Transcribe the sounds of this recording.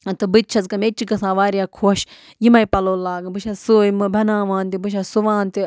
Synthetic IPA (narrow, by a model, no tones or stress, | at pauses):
ɐt̪ɨbɨt̪̚t͡ʃʰɐzkɐmet͡ʃikɐsãːʋaːɾijaːkʰoːʃ | jimɐjpɐloːlaːɡbɨʃʰɐsujimɨbʱɐnãːʋãːnt̪ibɨʃʰasuʋãːnt̪i